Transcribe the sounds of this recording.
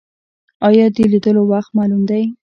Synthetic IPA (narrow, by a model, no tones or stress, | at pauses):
ɑjɑd̪əlid̪əlowaxt̪mɑlumd̪aj